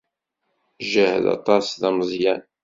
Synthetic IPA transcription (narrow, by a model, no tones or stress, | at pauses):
ʒəhðɑ̰t̪ˤɑsðɑmzˤjæn